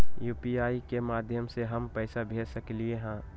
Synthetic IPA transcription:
juːpiaːikemaːd̪ʱjəmseɦɐmpɛːɪsabʱeːsɐkelieɦɛ̃ː

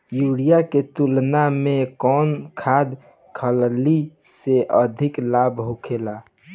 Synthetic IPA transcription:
juɽijaket̪ulnamekɔnkʰad̪ | kʰəlliseʔəd̪ʱɪklabɦukʰela

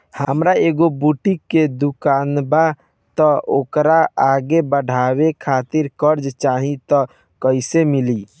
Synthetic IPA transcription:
həmɾaeɡobuʈikːed̪ukanba | t̪ɔokɾaaɡebəɖ̤ʱawekʰat̪iɾkəɾd͡ʒt͡ʃaɦĩt̪ɔ | kəɪsemili

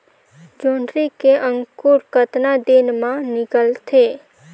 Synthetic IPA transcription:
d͡ʒoɳɖɾikeʔə̃ŋkuɾkət̪nad̪enmãnɪkəlt̪ʰe

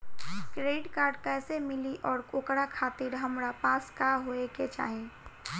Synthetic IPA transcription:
kɾeːɖkaːɾɖkɛːsemɪliʔɔːɾkoːkɽakʰaːt̪ɪɾɦəmɾapaːskaɦoeket͡ʃa̰ːɦẽ

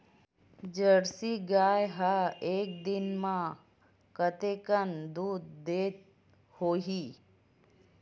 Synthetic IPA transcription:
d͡ʒəɽsiɡaːjɦaeːk̚d̪ɪnmã | kət̪eːkənd̪uːd̪d̪eːt̪̚ | hoːɦiː

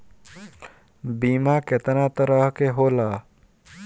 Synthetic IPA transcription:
biːmaket̪nat̪əɾəɦkeɦoːlaː

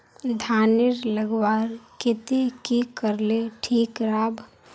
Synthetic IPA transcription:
d̪ʱanɪɾləɡwaɾket̪ikikəɾleʈʰiːkɾaːbʱ

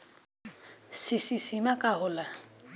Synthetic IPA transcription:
sisisimakaɦola

